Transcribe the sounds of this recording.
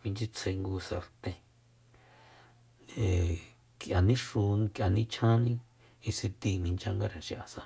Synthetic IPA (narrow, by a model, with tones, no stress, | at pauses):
mĩ˧nd͡ʒi˦t͡sʰe˧ŋɡu˧sa˧ɾt̪ẽ˧ | e˨ | kja˨nĩ˦ʂu˧kjʔa˧nĩ˦t͡ʃʰã˦nĩ˦ | i˧si˧t̪i˧mĩ˧nt͡ʃã˦ŋɡa˦˧ɾa˨nʃĩ˧ʔa˧sa˧